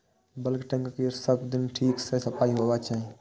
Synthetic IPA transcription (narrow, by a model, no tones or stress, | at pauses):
bəlkʈə̃ŋkkiɾsəbd̪ɪnʈʰiːksəsɐpaːiɦoːʋat͡ʃaːɦĩ